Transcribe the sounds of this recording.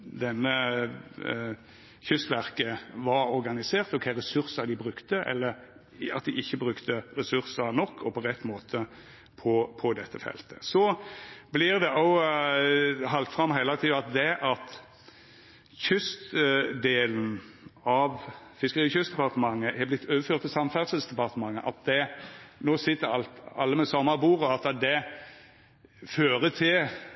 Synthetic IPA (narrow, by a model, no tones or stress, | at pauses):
d̪ɛnːə | çʏst̪ʋæʁkəʋɑɾɔɾɡɑnɪseːʁt̪ɔkʰæɪɾɛsʉʁsɑd̪ɪbʁʉkt̪əʔɛ̰lːəɾ | ɑ̰t̪̚d̪ɪʔɪçːəbʁʉkt̪ʰəʁɛsʉʁsɑnɔkʰːɔpʰɔʁɛt̪ːmoːt̪ʰə | pʰɔpʰɔd̪ɛt̪ːəfɛ̰lt̪ʰə̥sɔblɪʁd̪ɛʔɔʊ | ɦɑlt̪fʁɑmːɦɛlɑt̪ʰiːɑt̪̚d̪ɛʔɑt̪ | çʏst̪d̪eːln̩ɑʋ | fɪskəʁiːçʏst̪d̪ɛpɑʁt̪əmɑŋːəʔɛblɪt̪ʰːøːʋəføːt̪ʰːɪsɑmfæd̪səlsd̪ɛpɑʁt̪əmɑŋːəʔɑ̰t̪̚d̪ɛnoːsɪt̪ːəɾɑ̰lt̪ɑ̰lːəmɛsɔmːɑbuːʁɔɑt̪ɑd̪ɛ | føːʁət̪ʰɪl